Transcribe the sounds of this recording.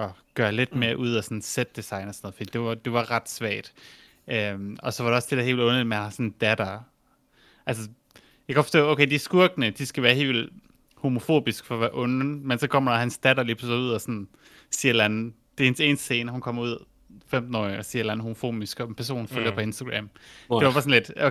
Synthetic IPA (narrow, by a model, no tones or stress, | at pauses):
ɒ̽ɡ̥ɶːɐle̝d̥meːɐʔuð̞̰ˠɒsɒ̽nsed̥̚d̥isɑ̈ɪnɒsnɔ̽ð̩ˠfɒ̽d̥ḭːd̥e̝ɑd̥e̝ʋɑ̈ʁɑ̈d̥sʋæɐ̰d̥ | ømɒ̽sɒ̽ʋɑ̈ɾe̝ɒ̽sd̥e̝dæhe̝̰ːʋilɔ̽nmenhænhɑ̈sɒ̽nd̥æd̥ɐ | ʔæls̬ə | jɑɡkʰæ̥fɒstɔ̰ːoʊkʰeɪd̥isɡ̥uɐɡ̥nəd̥isɡ̥æʋæːɐhe̝̰ːʋil | ho̝mo̝fo̝̰ːb̥isɡ̥fɒ̽ʋæɐʔɔ̽nmensɒ̽kʰɒ̽m̰ɐɾ̥ɑhænsd̥æɾ̥ɐlipʰʁsuð̞̰ˠɒsɔ̽n | siːɐelæn̩d̥e̝hense̝̰ːnsd̥se̝ːnəhunkʰɒ̽m̰ɐuð̞̰ˠ | fem̰d̥n̩ɒ̰ɪɒsiɐelæn̩ho̝mo̝fo̝̰ːb̥isɡ̥ɒ̽pʰæɐs̬o̝̰ːn̩føljɐpʰɒ̽e̝nsd̥ɐɡ̥ʁæm̥eʋɑbɑ̈ːsɔ̽nle̝d̥